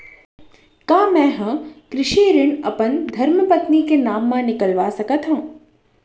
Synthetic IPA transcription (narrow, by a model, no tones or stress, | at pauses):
kaːmɛ̃ːɦɐ̃kɾɪʃiːɾɪɳɐpənd̪ʱɐɾməpət̪nikenaːmːãnɪkəlʋasɐkət̪ɦə̃ː